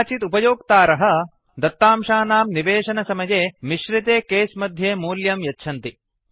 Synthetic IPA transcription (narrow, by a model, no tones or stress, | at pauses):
t͡ʃit̪upɐjoːk̚t̪aːɾɐɦɐ̆ | d̪ɐt̪ːaːmʂaːnaːmniʋeːʂɐnɐsɐmɐjeːmiʃɾit̪eːkeːsmɐd̪ʱjeːmuːljɐmjɐtːʃʰɐnt̪i